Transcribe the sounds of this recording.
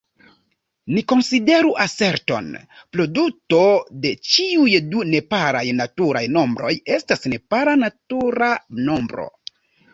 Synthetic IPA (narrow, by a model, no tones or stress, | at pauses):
niko̞nside̞ɾuʔase̞ɾto̞̰n | pɾo̞duto̞de̞t͡ʃiujdune̞paɾajnatuɾajno̞mbɾo̞je̞stasne̞paɾanatuɾano̞mbɾo̞̰